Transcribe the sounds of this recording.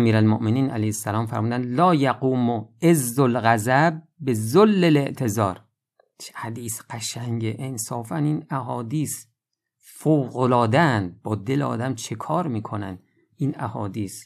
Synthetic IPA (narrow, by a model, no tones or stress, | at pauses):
ʔæmiːɾælmoʔmeniːnæ̰læjhesːælɒːmfæɾmuːd̪ænd̪lɒːjæɡuːmoezːolɣæzæb̚ːe̞zolːele̞ʔt̪ʰe̞zɒːɾ | t͡ʃʰhæd̪iːsqæʃæŋɟeʔensɒːfæniːnæɦɒːd̪iːs | fowɣolɒːd̪ænd̪̚bɒːd̪eleɒ̰ːd̪æmt͡ʃʰekʰɒːɾmiːkʰo̞nænd̪ | ʔiːnæhɒːd̪iːs